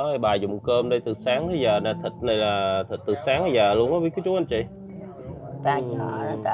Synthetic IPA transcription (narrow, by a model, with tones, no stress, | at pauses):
ɔ˨˦˧ɓaː˨˩jzʊ̰˨ŋ͡mkəː˧mɗə˧jt̪ɨ˨˩saː˨˦ŋt̪ʰə˨˧˦zəː˨˩naː˧˩t̪ʰi˨˩t̚nə˧jlaː˨˩t̪ʰi˨˩t̚t̪ɨ˨˩saː˨˦ŋa˧jzaː˨˩lu˧əŋʔɔ˧˦ɓi˦˥kɨ˨˦˥t͡ɕu˨˦ʔa˧nt͡ɕi˧˨˩ | t̪a˧˨ɔ˧˦˨a˧